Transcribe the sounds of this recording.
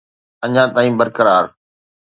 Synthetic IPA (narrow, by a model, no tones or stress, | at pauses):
ɐɲãt̪aːĩːbɐɾkəɾaːɾ